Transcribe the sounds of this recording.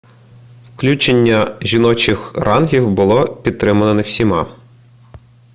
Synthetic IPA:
wklʲut͡ʃenʲːɐʒʲinɔt͡ʃɪxrʔɑnɦʲiwbʊlˠɔpʲid̪̚t̪ːɾɪmɐnɐnɐwsʲimɑ̰

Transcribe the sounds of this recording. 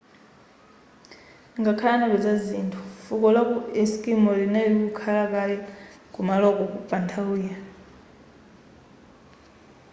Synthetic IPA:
ŋɡakʰalanaβɛd͡zazintʰu̥fukɔlakuɛskʼimɔɺinalikukʰalakalɛ | kumalɔkɔkupʼantʰawija

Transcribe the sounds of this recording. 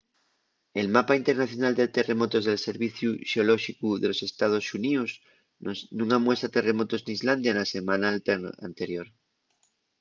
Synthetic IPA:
e̞lmapaint̪e̞ɾnaθjonald̪et̪e̞re̞mo̞t̪o̞zðe̞lse̞ɾβiθjuʃeolo̞ʃikuðe̞lo̞se̞st̪að̞o̞sunios | nũŋamwe̞st̪ɾat̪e̞re̞mo̞t̪o̞zniizland̪janase̞mãnaa̰nt̪e̞ɾjoɾ

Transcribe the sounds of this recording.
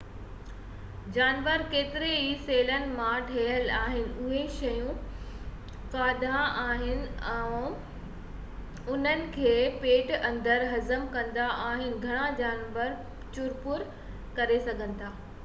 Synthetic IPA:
d͡ʑaːnʋəɾkeːt̪ɪɾeɦiseːlənɪ̆mãʈʰeːəlaːɦɪnɪ̆ʊɦeʃɐjũ | kaːd̪ʱaaːɦɪnɪ̆ɛ̃ː | ʊn̤ənɪ̆kʰeːpeːʈɐ̃nd̪əɾɦɐzəmkɐ̃nd̪aʔaːɦɪnɪ̆ɡʱɐɽ̃ad͡ʑaːnʋəɾ | t͡ɕʊɾpʊɾ | kɐɾesɐɡʱə̃n̆t̪ʰaː

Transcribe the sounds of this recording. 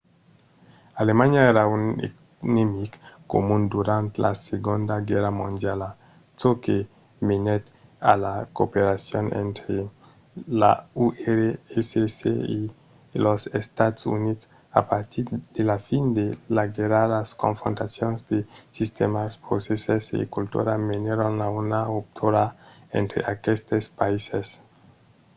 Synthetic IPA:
alemaɲaeɾaunḛ | nemikkːo̰mund̪uɾãnt̪la̰seɡond̪aɡɛɾamõnd̪jala | soke | menet̪alakopeɾasjonḛ̃nt̪ɾe | la̰uʔeɾeesesḛi | losest̪at̪sṵnits | a̰paɾt̪iɾd̪̥elafind̪elaɡeɾaɾlasko̰ɱfɾo̰ntasjonsd̪esist̪emaspɾosesesḛkult̪ṵɾameneɾonlaunaop̚t̪ʰuɾaḛnt̪ɾḛʔakest̪espaises

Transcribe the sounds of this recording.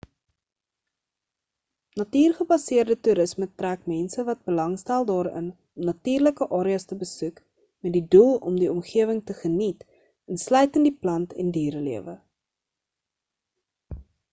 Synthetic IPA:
nɐtiːrχəbɐsiərdətuɾəsmətræːkmɛnsəvɐt̚bəlɐŋstælˠdɑːɾə̰n | ɔmnɐtiːrləkəʔɑːɾiɐstəbəsʉk | mɛt̚didulˠɔ̰mdiɔmχiəvəŋtəχənit | ənslœɥtəndiplɐntɛ̰ndiːɾəliəvə

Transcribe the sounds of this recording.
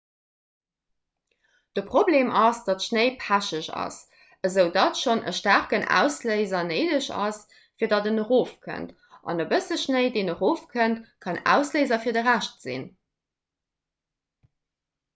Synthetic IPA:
d̥əpʁ̥obleːmʔɑsd̥ɑtʃnəɪpʰæʃəʃɑ̰s | əzəʊdɑtʃonʔə̰ʃtæʁkənæ̰ːʊsləɪzɐnəɪdəɕɑ̰s | fiːɐdɑdənəʁoːfkʰə̰nt | ʔɑ̰nəbəsəʃnəɪdeːnəʁoːfkʰəntkʰɑnæ̰ːʊsləɪzɐfiːɐdəʁæʃtz̥ḭn

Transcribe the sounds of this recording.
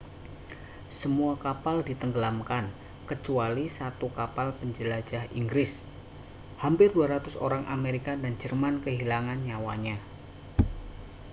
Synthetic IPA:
səmuakapaldit̪əŋɡəlamkan | kət͡ʃualisat̪ukapalpəɲd͡ʒəlad͡ʒahḭŋɡɾɪs | hampɪrduaɾat̪ʊso̰ɾaŋʔa̰meɾikadand͡ʒərmankəɦilaŋanɲawaɲa

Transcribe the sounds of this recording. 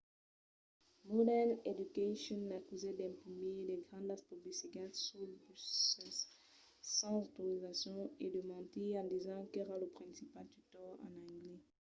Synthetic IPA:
mɔdɛned̪ykaʃɔ̃nːakyzɛd̪ɛ̃mpχimeleɡʁɑ̃nd̪aspɔbisiɡatsulpsɛsː | ɑ̃zot̪oʁizasjɔ̃ed̪əmɑ̃t̪iɑ̃d̪izɑ̃kɛʁaləpχɛ̃sipalt̪yt̪ɔʁɑ̰̃nɑ̃ɡle

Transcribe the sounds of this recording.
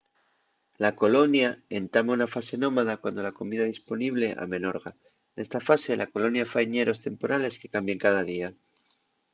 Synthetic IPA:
lako̞lo̞njae̞nt̪amaunafase̞no̞maðakwand̪o̞lako̞miðaðispo̞niβ̞le̞ʔa̰me̞no̞ɾɣa | ne̞st̪afase̞lʔako̞lo̞njafajɲe̞ɾo̞st̪e̞mpo̞ɾale̞ske̞kambjeŋkað̞aðia

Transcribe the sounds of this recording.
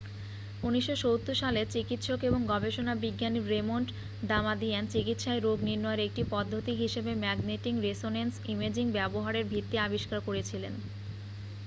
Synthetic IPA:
uniʃːoʃowt̪ːoʃalet͡ɕikit̪ʃokeboŋɡɔbʱeʃonabiɡːaniɾemoɳʈ | d̪amad̪iant͡ɕikit̪ʃaeɾoɡniɾnɔjeɾek̚ʈipɔd̪ʱːot̪iɦiʃebemɛɡneʈiŋɾesonensimed͡ʑiŋbɛboɦaɾeɾbʱit̪ːiabiʃkaɾkoɾet͡ɕʰilen

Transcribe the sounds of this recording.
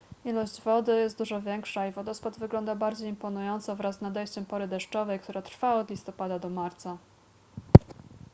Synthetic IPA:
ilɔɕd͡ʑvɔd̪ɘjɛst̪d̪uʐɔvʲjɛŋkʂaivɔd̪ɔspad̪vɘɡlɔnd̪abaɾd͡ʑejimpɔnujɔnt̪sɔvɾazːnad̪ɛjɕt͡ɕɛmpɔɾɘd̪ɛʂt͡ʂɔvɛjkt̪uɾat̪ɾfaɔd̪lʲist̪ɔpad̪ad̪ɔmaɾt̪sa

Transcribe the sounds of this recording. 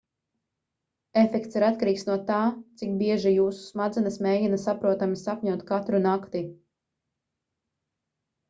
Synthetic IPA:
efɛkt̪siɾat̪̚kaɾiːksnuɔt̪aːt̪sik̚biɛʒijuːsu̥smad̪zɛnasmeːjinasapɾuɔt̪amisapʲɲuɔt̪kat̪ɾunakt̪i

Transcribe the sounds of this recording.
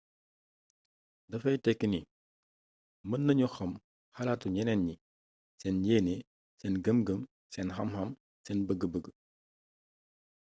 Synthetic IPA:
dɐfɐjtɛkːəni | mənːɐɲuxɐm | hɐlaːtuɲɛnɛnɲi | sɛnjeːne | sɛnɡəmɡəm | sɛnɦɐmhɐm | sɛnbəɡəbəɡə

